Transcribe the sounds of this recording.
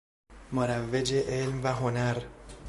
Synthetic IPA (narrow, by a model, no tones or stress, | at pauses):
moɾævːed͡ʒeʔelmvæɦonæɾ